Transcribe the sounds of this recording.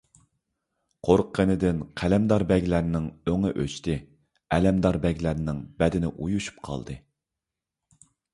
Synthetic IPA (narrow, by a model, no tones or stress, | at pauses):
qʰoɾqʰːənɪd̪ɪnqʰælɛmd̪ɑɾbɛɡʲlæɾnɪŋøŋɪʔøt͡ʃt̪ʰɪ | ɛlɛmd̪ɑɾbɛɡʲlæɾnɪŋbɛd̪ɪnɪʔujuʃu̥p̚qʰɑ̰lˠd̪ɨ